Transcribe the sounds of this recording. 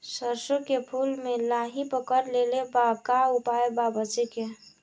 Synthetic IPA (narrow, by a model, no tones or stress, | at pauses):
səɾsokepʰulmelaɦipəkəɾlelebakaupaebabət͡ʃeke